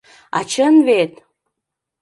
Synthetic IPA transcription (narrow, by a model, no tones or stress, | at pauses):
ɑ̰t͡ɕənβet̪̚